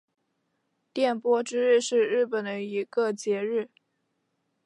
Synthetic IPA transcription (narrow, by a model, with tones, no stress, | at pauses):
t̪jɛ˥˩npwɔ˥ʈ͡ʂɻ̩˥ɻɻ̩˥˧ʂɻ̩˥˧ɻɻ̩˥˩pə˨˩nd̪ə˦i˧˥ɡə˥˧t͡ɕjɛ˧˥ɻɻ̩˥˩